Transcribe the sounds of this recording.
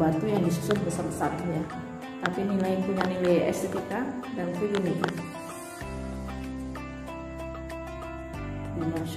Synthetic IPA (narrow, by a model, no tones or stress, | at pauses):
bat̪ujaŋdisusʊt̪̚bəsəməsat̪̚ɲa | t̪apinilainpuɲanilajɛ̰sit̪ikadant̪uɡuni | na